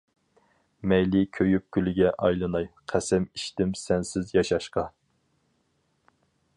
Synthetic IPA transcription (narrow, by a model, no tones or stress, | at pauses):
mɛjlɪkʲʰøjyp̚kʲʰylɪɡʲɛʔɑjlˠɨnɑjqʰæsɛmiʃt̪ɪmsɛnsɪzjɑʃɑʃqɑ